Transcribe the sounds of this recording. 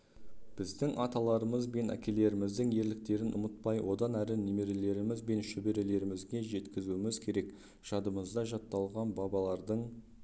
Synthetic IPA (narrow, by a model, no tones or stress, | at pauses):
b̥ɪzd̪ɪŋʔɑt̪ɑlˠɑɾəməzbe̞næ̰kʲe̞le̞ɾɪmɪzd̪ɪŋe̞ɾlɪk̚t̪e̞ɾɪnʔʊ̰mət̪̚pɑjwʔo̞d̪ɑnæɾɪneme̞ɾe̞le̞ɾɪmɪzbe̞nʃɪbe̞ɾe̞le̞ɾɪmɪzɡʲe̞ʒe̞t̪kʲɪzuɪmɪzkʲʰe̞ɾek | ʃɑd̪əməzd̪ɑʒɑt̪ːɑlˠʁɑnbɑbɑlˠɑɾd̪əɴ